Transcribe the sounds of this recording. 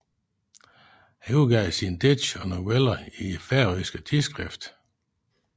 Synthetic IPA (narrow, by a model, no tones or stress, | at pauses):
hæuɡ̥ɛðsind̥e̥ɕɒnowelɐiefæɐʁisɡ̥ət͡sʰisɡ̥ʁɛfd̥